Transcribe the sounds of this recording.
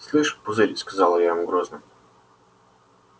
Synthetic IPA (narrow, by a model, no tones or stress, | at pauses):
slˠɨʂpʊzɨɾʲskɐzɑlˠəjavamɡɾoznə